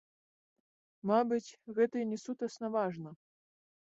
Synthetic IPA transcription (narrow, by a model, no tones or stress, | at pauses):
mabɨt͡sʲɣɛt̪ɨjnʲɛsut̪ɐsnavaʐnɐ